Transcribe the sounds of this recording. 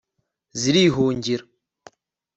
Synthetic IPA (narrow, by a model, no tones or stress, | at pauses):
ziɾiːɦuːɲɟiɾ